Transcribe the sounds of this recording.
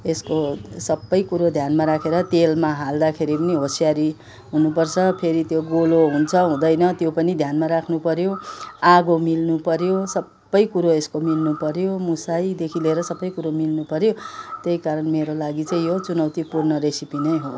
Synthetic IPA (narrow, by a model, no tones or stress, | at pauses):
eskosʌbːʌjkuɾod̪ʱjanmaɾakʰeɾʌt̪elmaɦald̪akʰeɾipʌniɦosijaɾi | ɦunupʌrt͡sʰʌpʰeɾit̪joɡoloɦunt͡sʰʌɦũd̪ʌjnʌt̪jopʌnid̪ʱjanmaɾakʰnupʌɾjoaɡomilnupʌɾjosʌbːʌjkuɾoeskomilnupʌɾjomusajd̪ekʰileɾʌsʌbːʌjkuɾomilnupʌɾjot̪jejkaɾʌnmeɾolaɡit͡sʌĩjot͡sunʌwt̪ipurnʌɾesipinʌjɦo